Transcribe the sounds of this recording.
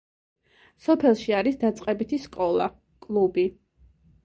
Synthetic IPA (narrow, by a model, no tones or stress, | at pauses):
sɔpʰɛlˠʃiaɾisd̪at̪sʼqʼɛbit̪ʰiskʼɔlˠa̰ | kʼlˠubi